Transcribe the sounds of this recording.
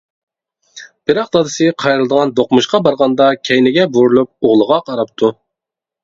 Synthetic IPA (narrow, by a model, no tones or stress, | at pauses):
b̥ɪɾɑqd̪ɑd̪ɨsɨqʰɑjɾɨlˠɨd̪əʁɑnd̪oqmuʃqɑbɑɾʁɑnd̪ɑkʲʰɛjnɪɡʲɛbuɾulˠup̚oʁlˠəʁɑqʰɑɾɑp̚t̪ʰu